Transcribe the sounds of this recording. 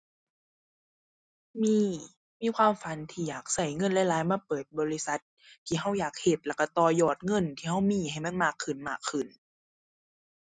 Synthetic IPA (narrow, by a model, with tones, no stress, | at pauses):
miː˧˥˩ | miː˧˥˨kʰwaː˧˥˨mfa˨˦nt̪ʰiː˧˩jaː˨˩k̚sa˧˩jŋɤ˧˥˨nlɛ˧˥˨laː˨˦jmaː˧˥˨pɤː˨˩t̪̚bɔː˧˦li˧˩˨sa˧˦t̪̚ʰːiː˧˩ɦa˧˥˩wjaː˨˩k̚he˧˩t̪̚lɛ˧˩ka˧˩t̪ɔː˧˩jɔː˧˩t̪̚ŋɤ˧˥˨nt̪ʰiː˧˩ɦa˧˥˩wmiː˧˥˨ha˨˩jma˧˥˨nmaː˧˩kʰːɯ˨˩nmaː˧˩kʰːɯ˨˩n